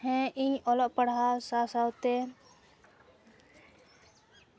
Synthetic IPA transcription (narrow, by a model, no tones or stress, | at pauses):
ɦɛ̃iɲɔlɔʔpəɽ̤awsasawt̪ɛ